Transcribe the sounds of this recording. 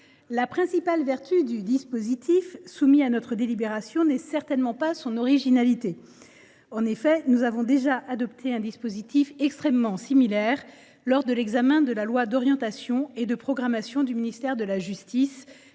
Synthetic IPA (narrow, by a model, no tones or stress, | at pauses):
lapχɛ̃sipalvɛʁt̪yd̪yd̪ispozit̪ʰifsumianɔt̪χəd̪elibeʁasjɔ̃nɛsɛʁt̪ɛnmɑ̃pasɔ̃nɔʁiʒinalit̪e | ɑ̃nefɛnuzavɔ̃d̪eʒaʔad̪ɔpt̪ʰeɛ̃d̪ispozit̪ifɛkst̪χɛmːɑ̃similɛʁ | lɔʁd̪əlɛɡzamɛ̃d̪əlalwad̪ɔʁjɑ̃t̪asjɔ̃ed̪əpχɔɡʁamasjɔ̃d̪yminist̪ɛʁd̪əlaʒyst̪is